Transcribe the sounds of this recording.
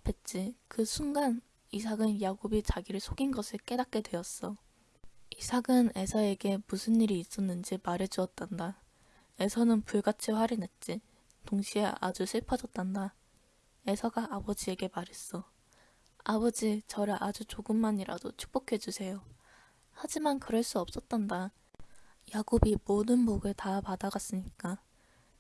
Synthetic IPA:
apʰe̞t̚t͡ɕ͈ikɯsʰunɡan | isʰaɡɯnjaɡobit͡ɕaɡiɾɯɭsʰoɡinɡʌsʰɯɭk͈e̞dat̚k͈e̞dwe̞jʌs͈ʌ | isʰaɡɯne̞sʰʌe̞ɡe̞musʰɯnːiɾiːs͈ʌnːɯnd͡ʑimaɾe̞d͡ʑuʌt̚t͈anda | e̞sʰʌnɯnpuɭɡat͡ɕʰiwaɾinet̚t͡ɕ͈i | toŋɕʰieʔa̰d͡ʑuɕʰiɭpʰʌd͡ʑʌt͈anda | e̞sʰaɡaʔabʌd͡ʑie̞ɡe̞maɾes͈ʌ | abʌd͡ʑit͡ɕʌɾɯʔad͡ʑut͡ɕoɡɯmːaɲiɾa̰dot͡ɕʰu̥k̚p͈okʰe̞d͡ʑusʰe̞jo | had͡ʑimankɯɾʌɭs͈uʌp̚s͈ʌt͈̚anda | jaɡobimodɯnboɡɯɭtapadaɡas͈ɯɲik͈a

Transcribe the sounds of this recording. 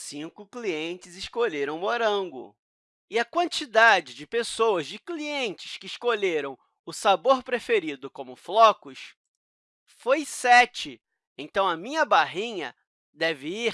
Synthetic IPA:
sĩkʊkliẽnt͡ʃɪzɪʃkoʎeɾɐ̃w̃moɾɐ̃ŋɡʊ̰ | ɪɐkwɐ̃nt͡ʃid̪ad͡ʒɪd͡ʒɪpesowɐzd͡ʒɪkliẽnt͡ʃɪ̥skɪːʃkoʎeɾɐ̃w̃ | ʊsaboɾpɾefeɾid̪ʊkõmʊflɔkʊs | fojsɛt͡ʃɪ | ẽt̪ɐ̃w̃ɐmĩɲɐbaɦĩɲɐ̰ | d̪ɛvɪi

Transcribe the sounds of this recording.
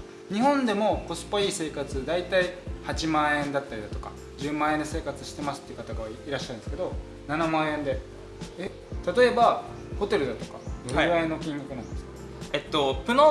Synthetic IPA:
ɲ̟ihõnd̪e̞mo̞ko̞sɨ̥paiːse̞ːkat͡sɨd̪ait̪aihat͡ɕimãːẽ̞nd̪at̪ːaɾʲid̪at̪o̞ka̰ | d͡ʑɨːmãːend̪e̞se̞ːkat͡sɨɕi̥t̪e̞masɨ̥t̪ːeiɯ̟kat̪aɡaβaiɾaɕːaɾɯ̟̃neske̞d̪o̞ | nanamãːẽ̞nd̪e̞ | e | t̪at̪o̞e̞ba | ho̞t̪e̞ɾɯ̟d̪at̪o̞̥kad̪oɾɾaẽnːo̞kʲĩŋɡakɯ̟nãnd̪esɨk | et̪ːo̞pɯ̟no

